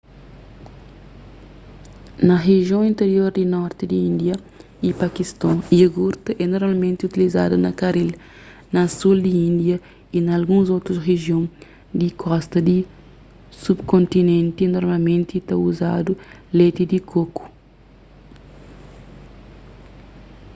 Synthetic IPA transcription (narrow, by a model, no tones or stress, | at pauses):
nɐʁeʒjõĩnt̪eɾjoɾd̪inɔɾt̪id̪iĩnd̪jɐ | ipakist̪ɔ̃iɐɡuɾt̪ɐʔɛnoɾmalmẽnt̪iut̪iliza̰d̪ɐnɐkaɾil | nɐsuld̪iĩnd̪jɐ | inɐːlɡũzot̪ɾusreʒjõŋ | d̪ikʰɔst̪ɐd̪i | subkõnt̪inẽnt̪inoɾmalmẽnt̪it̪ɐuzad̪ulet̪id̪ikʰoku̥